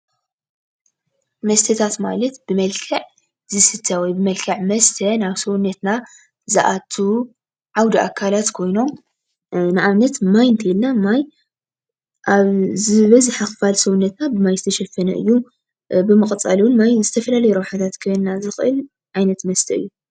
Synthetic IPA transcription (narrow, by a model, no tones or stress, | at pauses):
mɐst̪ʰɐt̪ʰat̪ma̰lɐt̪b̥ɨmɐlkʰɐʕ | zɨsɨt̪ʰːɐwɔjbɨmɐlkʰɐʕmɐst̪ʰɐnaβsɐwnːɐt̪na | zɨ̰ʔat̪ʰːu | ʕawd̪iʔa̰kʰːalat̪kʰo̞jno̞m | nɨʕaβnɐt̪majnt̪ʰɐilnamaj | ʔaβzɨβɐzɨħaxfalsɐwunːɐt̪nabɨmajzɨt̪ʰɐʃɐfːɐnɐ̰ʔɨ̰jːu | bɨmɨχʼt͡sʼaluwnmajzɨt̪ʰɐfɐlalɐjɾɐwħat̪ʰat̪kʰɐjnnazɨxʔɨ̰l | ʕajnɐt̪mɐst̪ʰɐɨ̰jːu